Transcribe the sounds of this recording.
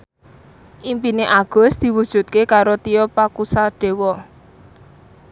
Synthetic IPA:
ʔimpineʔaɡ̥ɔ̤sd̪̥i̤wud̥ʒ̥ṳt̪̚kekaɾot̪ijɔpakusaɖ̥e̤wɔ

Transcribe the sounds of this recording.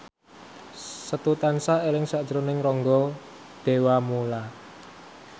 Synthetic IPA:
sət̪ut̪ansaelɪŋsaʔd̥ʒ̥əɾonɪŋrɔŋɡɔ | d̪̥e̤wamula

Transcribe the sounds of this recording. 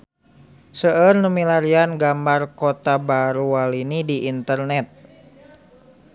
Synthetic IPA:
səərnəmilaɾianɡambarkot̪abaɾuwalinidiʔːnt̪ərnɛt̪̚

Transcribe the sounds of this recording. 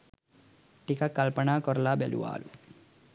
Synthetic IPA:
ʈikɐkɐlpɐɳaːkɔɾlaːbelṵʋa̰ːlu

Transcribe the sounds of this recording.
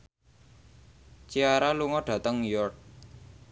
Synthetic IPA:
t͡ʃiaɾaluŋɔɖ̥a̤t̪əŋjɔrt̪̚

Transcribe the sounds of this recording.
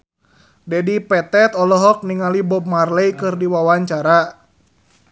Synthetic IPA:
dɛdipɛt̪ɛt̪ɔlɔɦɔk̚niŋalibɔp̚marlɛjkɨrdiwawaɲt͡ʃaɾa

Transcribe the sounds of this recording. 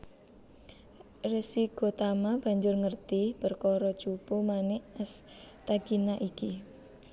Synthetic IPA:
resiɡ̥o̤t̪amab̥a̤ɲd͡ʒʊrŋərt̪ib̥ərkɔɾɔ̥t͡ʃupumanɛʔəst̪aɡ̥inaʔiki

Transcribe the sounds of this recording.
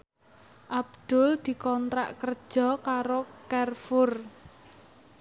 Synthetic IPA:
ʔab̚d̪̥ʊ̤ld̪̥i̤kɔnt̪ɾa̰ʔkər̥ʒ̥ɔ̤kaɾokarfʊr

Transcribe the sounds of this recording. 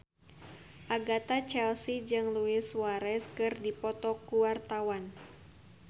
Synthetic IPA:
ʔaɡat̪at͡ʃɛlsid͡ʒɨŋluɪswaɾɛskɨrdipɔt̪ɔkuwart̪awan

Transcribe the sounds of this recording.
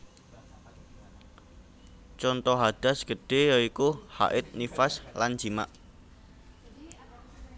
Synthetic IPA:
t͡ʃɔnt̪ɔɦad̥a̤sɡ̥ə̤ɖ̥e̤jɔikuha̰ʔɪt̪̚nifasland͡ʒima̰ʔ

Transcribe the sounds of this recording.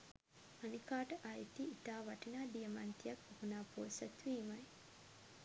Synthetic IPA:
anikaːʈəʔajit̪iːt̪aːʋaʈinaːdijəmant̪ijakohunaːpoːsæt̪ʋiːmaj

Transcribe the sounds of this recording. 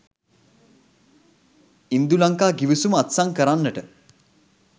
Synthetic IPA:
ind̪ulaŋkaːɡiʋisuməat̪saŋkəɾanːəʈə

